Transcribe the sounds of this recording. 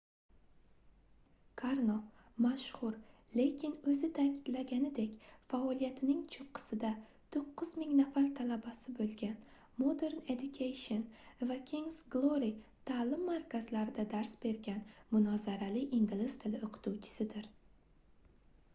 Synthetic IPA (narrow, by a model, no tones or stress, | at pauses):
kʰaɾno | maʃhʊɾ | le̞kʲʰɪnɵzɪt̪ʰakʲʰɪd̪laɡʲanɪd̪ekʲfaɒlijat̪ʰɪnɪŋt͡ʃʰʊqʰːɨ̥sɪd̪a | t̪ʰoqːʊzmɪŋnafaɾt̪ʰalabasɪbolˠɡʲan | mod̪e̞ɾned̪ʊkʰʲejʃonvakʲʰiŋzɡlˠoɾit̪ʰaːlɪmːaɾkʰʲazlaɾɪd̪ad̪aɾsbe̞ɾɡʲanmʊnɒzaɾalɪiŋɡlɪst̪ʰɪlɪoqʰɨ̥t̪ʰuwt͡ʃʰɪ̥sɪd̪ɪɾ